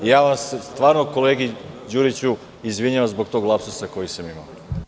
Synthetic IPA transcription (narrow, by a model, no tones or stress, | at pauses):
ijaːʋasst̪ʋaːɾnoko̞leːɡid͡ʑuːɾit͡ɕu | izʋiɲaʋamzbo̞ɡt̪oɡlˠapsusako̞jisamima̰o